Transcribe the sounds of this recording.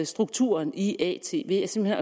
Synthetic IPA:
sd̥ʁuɡ̥̚t͡sʰṵːɐniʔɛ̰t͡sʰe̝̰ːʋe̝jɑɪsem̥lhe̝nɒ

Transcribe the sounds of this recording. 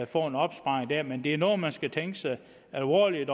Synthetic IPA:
fɒ̰ːe̝nɒ̽b̥sb̥ɑ̈ːeŋd̥æɐ̰mend̥e̝æɐnɔ̽ːð̩ˠmænsɡ̥æt͡sʰeŋɡ̥əsɑ̈ɪ | ælʋɒ̰ːlid̥ɒ

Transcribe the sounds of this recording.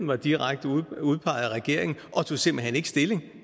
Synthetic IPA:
n̩ʋɑ̈d̥iʁaɡ̥̚d̥əuð̞ˠpʰɑ̈ɪæʁɛɡ̥e̝ɐ̰e̝ŋn̩ɒ̽t͡sʰo̝se̝m̰b̥l̩ɦene̝ɡ̥əsd̥e̝le̝ŋ

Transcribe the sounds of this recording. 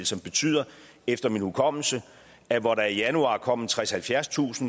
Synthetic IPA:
lsɒ̽mb̥e̝t͡sʰy̰ð̰ˠɐ | efd̥ɐminhukʰɒ̽m̰l̩sə | æʋɒɾɑ̈ijænuɑ̰̈ːkʰɒ̽m̰t͡sʰʁɛshælfjæɐst͡sʰṵːsn̩

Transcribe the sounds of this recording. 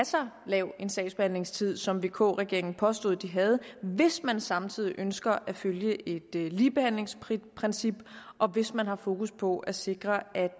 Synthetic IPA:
æsɑlɛʊe̝nsɛ̰ːsb̥e̝hæn̰le̝ŋst͡sʰið̞̰ˠsɒ̽mʋe̝ːkʰo̰ːʁɛɡ̥e̝ɐeŋn̩pʰɒ̽sd̥o̝ð̩ˠd̥iɦæð̞ˠʋe̝smænsɑ̈mt͡sʰið̰ˠiʔønsɡ̥ɐʔæføljəʔe̝d̥liːb̥e̝hæn̰le̝ŋsʰpʰʁɛnsib̥ʔɒ̽ʋe̝smænɦɑ̈fo̝ːkuspʰɒ̽ʔæse̝ɡ̥ʁɐæd̥

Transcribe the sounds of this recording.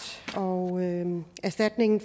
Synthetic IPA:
ɒ | æɐsd̥æd̥ne̝ŋn̩f

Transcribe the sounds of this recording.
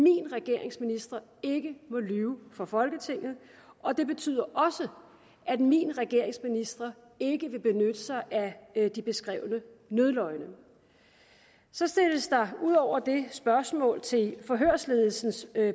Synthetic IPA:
mḭnʁaɡ̥e̝ɐ̰e̝ŋsminisd̥ʁɐe̝ɡ̥əmɔ̽lyːʊfɒfɒ̽lɡ̥ət͡sʰe̝ŋ̰ð̞̩ˠ | ʔɒ̽d̥e̝b̥e̝t͡sʰy̰ð̰ˠɐʔɒ̽sə | ʔæd̥mḭnʁɛɡ̥e̝ɐ̰e̝ŋsminisd̥ʁɐ | e̝ɡ̥əʋe̝b̥e̝nød̥əsɑ̈ɪʔæd̥ib̥e̝sɡ̥ʁɛ̰ːʊnənøðˠlɒ̽ɪnə | sɒ̽sd̥e̝ləsd̥ɑ̈uð̞̰ˠɒʊ̰ɐd̥e̝sb̥ɶɐsmɔ̰̽ːlt͡sʰe̝lfɒ̽ɦøɐ̰sle̝ːðˠl̩sn̩s

